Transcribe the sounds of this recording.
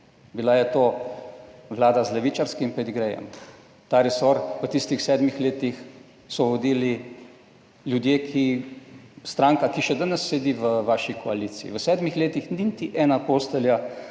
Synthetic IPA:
bilajɛt̪oː | ʋlaːd̪azlɛʋit͡ʃaɾskimpɛd̪iɡɾɛjɛ̰m | t̪aɾɛsɔɾʋət̪ist̪ixsɛːd̪mixleːt̪ix | sɔʋɔd̪iːli | ljud̪jeːkʰi | st̪ɾaːŋkakiʃɛd̪anɛsːɛd̪iʋəʋaːʃikʰɔaliːt̪sḭḭʋəsɛːd̪mixleːt̪ixninit̪iʔɛːnapoːst̪ɛlja

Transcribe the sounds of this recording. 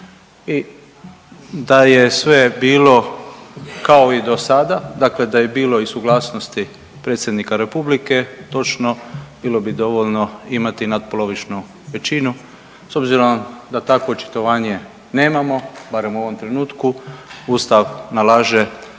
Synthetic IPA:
i | d̪ajesʋe̞biːlo̞ | kao̞id̪o̞sad̪ad̪akle̞d̪aje̞biːlo̞isuɡlˠaːsnost̪i | pɾe̞ːt̪sʲje̞d̪nikaɾe̞publike̞t̪o̞t͡ʃnob̥iːlo̞bid̪o̞ʋoʎnoimat̪inad̪̚polˠo̞ʋit͡ʃnu | ʋe̞t͡ʃinu | so̞bziɾo̞md̪at̪ako̞ot͡ʃi̥t̪o̞ʋaːɲe̞ | ne̞ːmamo̞baɾe̞muo̞ʋo̞mt̪ɾe̞nuːt̪kuuːst̪aʋnalaːʒe

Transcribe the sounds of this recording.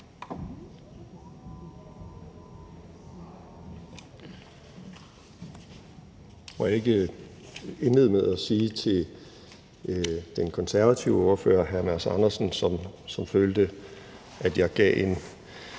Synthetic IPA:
e̝ɡ̥ə | e̝nle̝ð̰ˠmeðˠæsiːt͡sʰe̝l | d̥enkʰɒ̽nsæɐʋæt͡sʰiʊəɒɐfø̰ːɐɦæɐmæɐsɑ̈nɐsn̩sɒ̽msɒ̽mføːld̥ə | ʔæd̥jɑ̈ɪɡ̥ɛ̰ːe̝n

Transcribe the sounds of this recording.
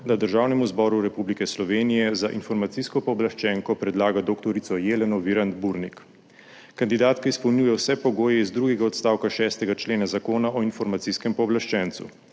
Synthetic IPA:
d̪ad̪əɾʒaːwnɛmuzbɔɾuɾɛpublikɛslɔʋeːnijɛzaʔinfɔɾmat̪siskɔpɔːblaʃt͡ʃɛːŋkɔpɾɛd̪laːɡad̪okt̪ɔɾit̪sɔjeːlɛnɔʋiɾand̪buɾnikː | and̪id̪aːt̪kaispɔwnʲjuːjɛwsɛpɔɡoːjɛizd̪ɾuːɡɛɡaɔt̪st̪aːwkaʃɛːst̪ɛɡat͡ʃleːnazakoːnaʔɔinfɔɾmat̪siskɛmpɔːblaʃt͡ʃɛnt̪sṵ

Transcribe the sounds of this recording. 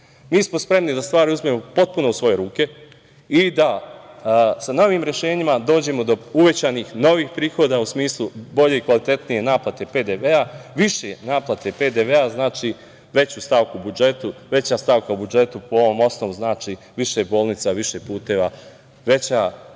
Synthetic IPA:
miːsmo̞spɾe̞mnid̪ast̪ʋaːɾiuzmemo̞po̞t̪̚puno̞usʋo̞je̞ɾuːke̞ | id̪a | sano̞ʋiːmɾje̞ʃe̞ːɲimad̪o̞ːd͡ʑe̞mo̞d̪o̞uʋe̞t͡ɕanixno̞ʋiːxpɾiːxo̞ːd̪ausmiːslˠubo̞ʎe̞ikʋalit̪e̞t̪nije̞naːplˠat̪e̞pe̞d̪e̞ʋeaʋiʃenaːplˠat̪e̞ped̪eʋeaznaːt͡ʃi | ʋe̞t͡ɕuːst̪aʋkuubud͡ʒe̞t̪uʋe̞t͡ɕast̪aːʋkaubud͡ʒe̞t̪upoo̞ʋo̞ːmo̞sno̞ʋuznaːt͡ʃi | ʋiʃebo̞ːlnit̪saʋiʃepuːt̪e̞ʋa | ʋe̞t͡ɕa

